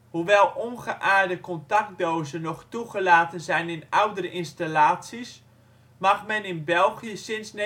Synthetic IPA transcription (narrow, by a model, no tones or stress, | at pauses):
huʋɛlˠʔonɣəʔaːɹdəkɔntak̚doːzənɔχtuɣəlaːtənzɛjnɪnawdəɾəʔɪnstalaːtsis | maxmɛnɪnbɛlˠχjəsɪnsn